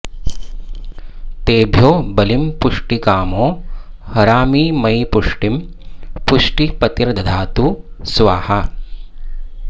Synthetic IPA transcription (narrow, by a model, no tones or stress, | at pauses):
t̪eːbʱjoːbɐlimpuʂʈikaːmoː | hɐɾaːmiːmɐjpuʂʈim | puʂʈipɐt̪iɾd̪ʱɐd̪ʱaːt̪u | sʋaːhɐ